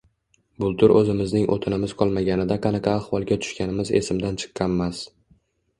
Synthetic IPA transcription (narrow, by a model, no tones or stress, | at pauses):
bʊlˠt̪ʰʊɾʔɵzɪmɪznɪŋʔo̰t̪ʰɪnɪmɪz̥qʰɒlˠmaɡʲanɪd̪aqʰɑnaqʰɑːhvɒlˠɡʲat̪ʰʊ̥ʃkʲanɪmɪze̞̰sɪmd̪ant͡ʃʰɨ̥qʰːɑnmas